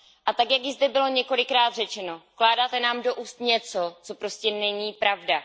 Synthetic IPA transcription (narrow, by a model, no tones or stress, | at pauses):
ʔat̪akjakjɪzdɛbɪlo̞ɲɛko̞lɪkɾaːt̪r̝ɛt͡ʃɛno̞klaːdaːt̪ɛnaːmdo̞ʔuːst̪ɲɛt͡so̞t͡so̞pɾo̞scɛnɛɲiːpɾavda